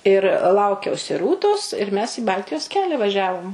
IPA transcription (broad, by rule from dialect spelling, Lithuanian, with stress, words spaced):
ɪr ˈlˠɐʊkʲɛʊsʲɪ ˈruːtoːs ɪr mʲɛs iː ˈbɐlʲtʲɪjoːs ˈkʲæːlʲɛ ʋɐˈʒʲæːʋoːm